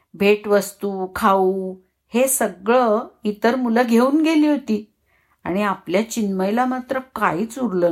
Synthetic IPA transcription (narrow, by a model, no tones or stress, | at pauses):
bʱeʈʋəst̪ukʰauː | hesəɡɭəit̪əɾmuləɡʱeuːnɡeliːɦot̪iː | a̰ɽ̃iapljat͡ɕinməjlamat̪ɾəka̰iːt͡suɾləː